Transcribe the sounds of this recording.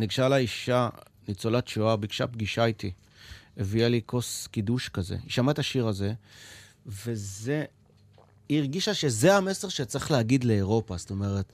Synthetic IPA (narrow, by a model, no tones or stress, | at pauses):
niɡʃalaiʃa | nit͡solatt͡ʃuabiɡʃa̰pɡiʃajt̪i | evialikʰo̞skiduʃkazḛiʃamaetaʃiʁaze̞ | ve̞ze̞ | iʁɡiʃaʃe̞ze̞ame̞se̞ʁʃet͡sʁiχleaɡidle̞ːʁo̞pasto̞me̞ʁe̞t